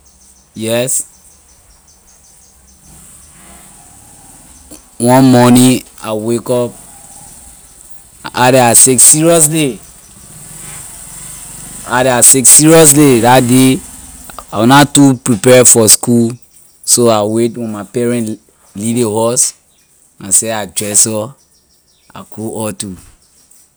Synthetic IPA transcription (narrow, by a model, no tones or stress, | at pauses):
jɛs | wɔ̃nmɔnĩa̰wekɔp̚ | ʔadɛaseksiɹiɔs̬de | aɾɛaseksiɹiɔs̬ledatde | awnatupɹipɛfɔskul | soawetwĩmapɛɹɛ̃n | lilĩhɔs | nãsɛad͡ʒɹɛsɔ | a̰koɔtu